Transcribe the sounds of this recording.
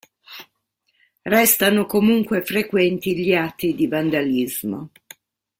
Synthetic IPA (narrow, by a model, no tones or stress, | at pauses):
rɛst̪anokomuŋkwefɾekwɛnt̪iʎiat̪ːid̪ivand̪alizmo̰